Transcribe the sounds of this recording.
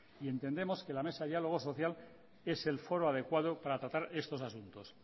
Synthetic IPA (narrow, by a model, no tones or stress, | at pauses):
ie̞nt̪end̪e̞mo̞ske̞lame̞sajalo̞ɣ̞oso̞θjal | e̞se̞lfo̞ɾoað̞e̞kwað̞opaɾat̪ɾat̪aɾe̞st̪o̞sasunt̪o̞s